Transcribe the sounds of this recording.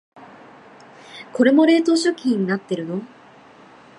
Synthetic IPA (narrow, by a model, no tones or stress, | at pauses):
ko̞ɾe̞mo̞ɾe̞ːt̪o̞ːɕo̞kʲʰĩːɲ̟inat̪ːe̞ɾɯ̟no̞